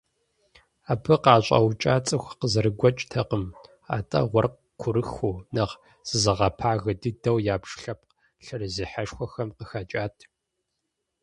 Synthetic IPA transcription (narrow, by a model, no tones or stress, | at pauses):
aːpʰɨqɑːɕʷʼɐ̰wt͡ʃʼaːt͡sʼɨxʷqəzɐɾɨɡʷɐt͡ʃʼtʰɐqəm | a̰ːtʼɐ̰ʁʷɔrq | kʷʰʊɾɨxoːnɐʁ | z̥ɨzɐʁɐpʰaːɣɨdɨdɐwjaːbʂɬɐp̚ʰ | ɬɨrɨziħɐʂxʷɔxɐmqəxat͡ʃʼaːtʰ